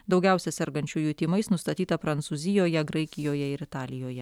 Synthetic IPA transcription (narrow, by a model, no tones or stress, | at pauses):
d̪ɒʊɡʲɛˑʊsʲɛsʲɛɾɡɐnʲt͡ʃʲuːjuːt̪ʲiːmɐɪsnʊst̪ɐt̪ʲiːt̪ɐpɾɐnt̪suːzʲɪjoːjɛɡɾɐɪkʲɪjoːjɛɪɾɪt̪ɑːlʲɪjoːjɛ